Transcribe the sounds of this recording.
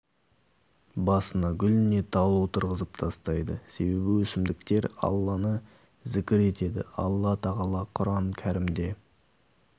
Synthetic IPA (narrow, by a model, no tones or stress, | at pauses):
bɑsənɑɡʲʏlɪne̞t̪ʰɑlˠuwt̪ʰʊɾʁəzəp̚t̪ʰɑst̪ɑjd̪əse̞be̞bɪwɵsɪmd̪ɪk̚t̪e̞ɾɑ̰lˠːɑnə | zɪkʲɪɾe̞t̪e̞d̪ɪ̰ɑ̰lˠːɑt̪ʰɑʁɑlˠɑqʰʊɾɑɴkʲʰæɾɪmd̪e̞